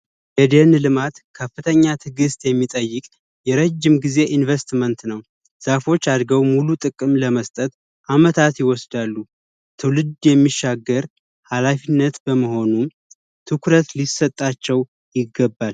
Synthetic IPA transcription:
jɛd̪enlɨmat̪kʰəfːɨt̪ʰəɲːat̪ʰɨɡɨst̪ʼjɛmːit̪ʼəjːɨkʼ | jɛɾəd͡ʒːimɡize̞ʔinvest̪mənt̪nəw | z̥afo̞t͡ʃːad̪ɡəwmulut̪ʼɨkʼɨmləməst̪ʼət̪ | ʔamət̪ʰat̪jɪwɔsd̪alːu | t̪ʰɨwlɨd̪jɛmːiʃːaɡːəɾ | halafinːət̪bəməɦo̞num | t̪ʰɨkɾət̪lisət̪ʼːat͡ʃːɛw | jɪɡːəbːal

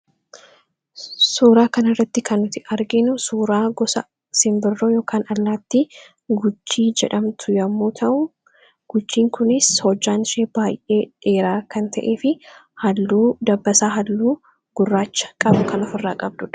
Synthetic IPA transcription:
suːɾaːkɐnɐrːɐt̪ːɪkɐnːʊt̪ɪʔɐɾɡɪnʊsuːɾaːɡɔsɐ̰ | sɪmbɪrːoːjo̞ːkaːnɐlːaːt̪ːɪ | ɡʊt͡ʃːiːd͡ʒɛᶑɐmt̪ʰʊjɐmːuːt̪ʰɐʔʊ | ɡ̥ʊt͡ʃːiːŋkʊnɪshɔd͡ʒːaːnɪʃeːb̥aːjʔe̞ːᶑe̞ːɾaːkɐnt̪ɐʔe̞ːfɪhɐlːuːd̪ɐbːɐsaːɦɐlːuː | ɡ̥ʊrːaːt͡ʃːɐ̥kʼɐbʊkɐnɔfɪrːaːkʼɐb̚d̪ʊᶑɐ̥

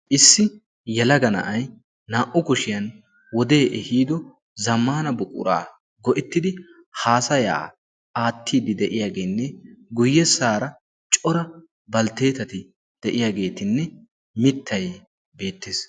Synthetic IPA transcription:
ʔɪsːɪ | jɛlɐɡɐnɐ̰ʔɐj | naːʔʊkʊʃɪjɐn | wɔd̪e̞ːʔɛhiːd̪ɔ | zɐmːaːnɐbʊkʼʊ̰ɾa̰ː | ɡɔʔɪt̪ːɪd̪ɪ | haːsɐja̰ː | ʔaːt̪ːiːd̪ɪd̪ɛʔɪjaːɡeːnːɛɡʊjːɛsːaːɾɐ | t͡ʃʼɔɾɐ | bɐlt̪e̞ːt̪ɐt̪ɪ | d̪̥ɛʔɪjaːɡe̞ːt̪ɪnːɛ | mɪt̪ʰːɐj | be̞ːt̪ːeːs

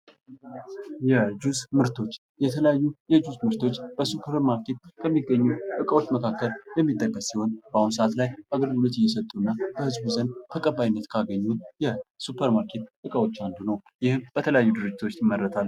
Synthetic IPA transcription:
jɛd͡ʒuzmɨɾt̪ʰo̞t͡ʃː | jɛt̪ʰələjajːujɛd͡ʒusmɨɾt̪ʰo̞t͡ʃːb̥əsupʰəɾmaɾkʰe̞t̪kʰəmːiɡːəɲːuʔɨkʼəwo̞t͡ʃːməkʰakːəljɛmːit̪ʼːəkʼːəssiho̞nb̥əawunsəʔat̪lajaɡəɾɡulot̪ɪjɛs̬ət̪ʼuɨnːabəhɨzbuzənd̪t̪ʰəkʼəbːajnːət̪kʰaɡəɲːut̪jɛsupʰəɾmaɾkʰe̞t̪ʔɨkʼəwo̞t͡ʃːand̪unəw | jɪhɨmb̥ət̪ʰələjajːud̪ɨɾɨd͡ʒːɪt̪ʰo̞t͡ʃːjɪmːərːət̪ʰal

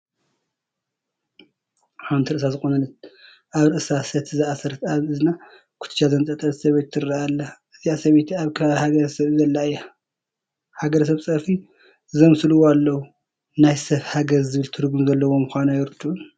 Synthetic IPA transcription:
ħawnt̪iɾɨʔɨsazɨkʼonɐlɐt̪̚ | ʔaβɾɨʔɨsasɐt̪ʰzɨasɐɾɐt̪aβɨzɨna | kʰu̥t̪ʰɨ̥t͡ʃːazɐnt͡s̪ʼɐt̪ʼɐlsɐβet̪ʰːɨɾaalːɐʔɨzijasɐβet̪ʰiaβkʰɐhaɡɐɾɐsɐβzɐlːaja | haɡɐɾɐs̬ɐβsʼɐfi | zɐmsɨluwalːɐwu | najsɐfhaɡɐzzɨβɨlt̪ʰɨɾɡumzɐlːɐwo̞mʊxʷanajɪɾɨt̪ʰːun

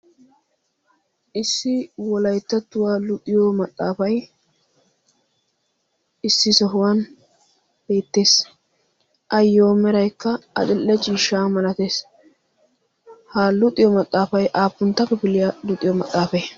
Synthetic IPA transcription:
ʔɪsːɪwɔlɐjt̪ːɐt̪ːʊwaːlʊt̪ʼɪjomɐt̪ʼːaːfɐj | ɪsːɪsɔɦʊwan | b̥e̞ːt̪ːe̞ːs | ʔɐjːoːmɛɾɐjkːɐɐ̰dɪlːɛt͡ʃiːʃːaːmɐlɐt̪e̞ːs | haːlʊt̪ʼɪjɔmɐt̪ʼːaːfɐjʔaːpːʊnt̪ːɐpːɛbɪlɪjalʊt̪ʼːɪjɔmɐt̪ʼːaːfej

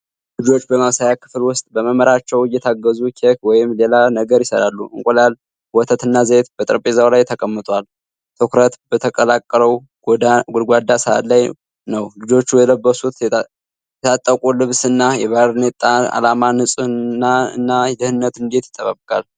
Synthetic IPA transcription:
lɨd͡ʒo̞t͡ʃːbəmaβsajakʰɨ̥flwʊst̪ʼbəməməɾat͡ʃːɛwɨjːɛt̪ʰaɡːəzukʰekwɔjɪmle̞lanəɡəɾjɪsəɾalːuʔɨŋkʼolal | wɔt̪ʰət̪ɨnːazəet̪bət̪ʼɨɾpʼezawlajt̪ʰəkʼəmːɨt̪ʼwal | t̪ʰɨkɾət̪bət̪ʰəkʼəlakʼːləw | ɡ̪aɡod̪ɡʷad̪asəa̰t̪laj | nəwlɨd͡ʒo̞t͡ʃːujɛləbːəsut̪ | ɛt̪ʰat̪ʼːəkʼulɨβsɨnːajɛβaɾnet̪ʼːaa̰lamanhɨsʼuːaɨ̰nːajɛd̪ɨhɨnːət̪ɨnd̪e̞t̪jɪ̥t̪ʰːəβəβkʼal

